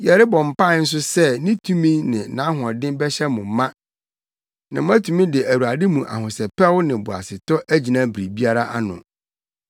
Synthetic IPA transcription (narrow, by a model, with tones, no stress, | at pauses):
jɛ˨ɾɪ˦bɔ̃˨m̩˨pa˦˨˦n̩˦s̬ʊ˦sɛ˦˨nɪ̃˦tʰũ˦mĩ˦nɪ̃˨nã˨˦ɦʊ˨ɔ̃˨dɪ̃˦mbɛ˦ɕɛ˦mʊ̃˨m˦mã˦ | nã˨mʊ̃˦æ˦tʰũ˨mĩ˦dɪ˨ʔæ˨wu˨a˨dɪ˦mũ˨ʔa̰˨ɦʊ̃˨sɛ˨pɛ˦wʊ˦nɪ̃˨bʊ˨a̰˨sɪ˨tɔ˦ʔæ˦d͡ʑi˨nã˦bɾi˨bi˦a˦ɾa˦ʔa˦nʊ̰̃˨